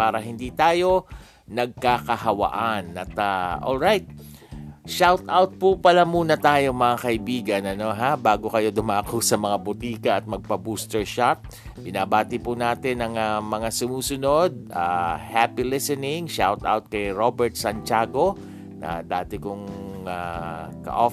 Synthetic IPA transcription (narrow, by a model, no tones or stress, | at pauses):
paːɾɐɦɪnd̪iːt̪aːjo̞ | nɐɡ̚kakɐhɐwɐ̰ʔanɐ̰t̪aʔo̰lɹajt̪̚ | ʃawt̪awt̪̚pʊpɐlamuːnɐt̪aːjo̞ŋmɐŋakɐʔɪbiːɡɐnɐno̞ɦabaːɡokɐjo̞d̪ʊmaːkosɐmɐŋabʊt̪iːkɐɐt̪̚mɐɡ̚pɐbuːst̪ɛɹʃat̪̚ | bɪnaːbaːt̪ɪpʊnaːt̪ɪnɐŋamɐŋasʊmuːsʊno̞d̪̚ahapilɪsɛnɪŋʃawt̪ʔa̰wt̪̚kɐjɹobɛɹt̪̚sɐnt͡ʃaːɡo̞ | nɐ̰d̪aːt̪ɪkʊŋakɐ̰ʔo